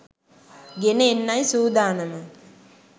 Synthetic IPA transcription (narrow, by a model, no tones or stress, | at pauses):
ɡeneenːajsuːd̪aːnɐmə